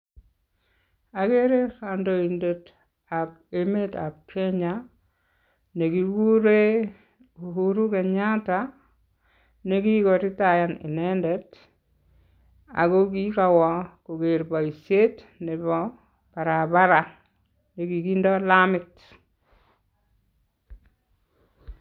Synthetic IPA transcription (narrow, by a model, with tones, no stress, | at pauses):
a˨ke˦ɾe˦ɾando˨inde˨t | a˨p | e˦me˦ta̰˨p̚kɛ˦ɲa | ne˨ki˨kuɾe˦ | uhuɾu˦kɛ˨ɲa˦ta | ne˦ki˦kɔ˨ɾɪ˦ta˨ja˨nɪ̰˨nɛndɛt | a̰˨ko˦ki˦ka˨wɔ˨ko˨ke˨ɾba˨i˨sje˦t | nɪ˨βɔ | b̥a˨ɾabaɾa˨ | ne˨ki˨kindɔ˦lamɪt